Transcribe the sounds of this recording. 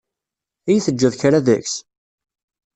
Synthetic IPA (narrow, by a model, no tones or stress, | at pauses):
æjθəd͡ʒːəðçaɾaðæçs